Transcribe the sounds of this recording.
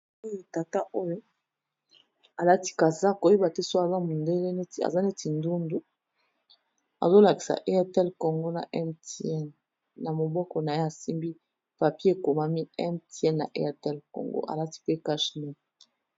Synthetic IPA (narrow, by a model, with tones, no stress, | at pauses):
o˦jo˦ta˨ta˦ʔo˦jo˦ | a˨la˦ti̥˦ka˨sa˦˨ko˨je˦ba˨te˦so˦a˨za˦mu˨nde˦le˦ne˦ti˨a̰˨za˦ne˦ti˨ndu˦ndu˦ | a̰˨zo˦la˨ki̥˨sa̰˨ʔe˦a˦tɛ˦lko˨ŋɡo˦na̰˨ʔɛ˦mte˦ɛ˦n | na˨mo˨bɔ˦kɔ˨na˨˦e˦a˨si˦mbi˦ | pa˨pje˦e˨ko˨ma˦mi˦ɛ˦mte˦ɛ˦nna̰˨ʔḛ˦a˨tɛ˦lko̰˨ŋɡo̰˦ʔa̰˨la˦ti̥˦pe˦ka˦ʃni˦˨